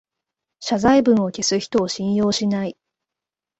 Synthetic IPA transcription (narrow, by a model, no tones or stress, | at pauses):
ɕazaibɯ̟̃ɰ̃o̞kʲesɨçi̥t̪o̞ːɕĩɰ̃jo̞ːɕinai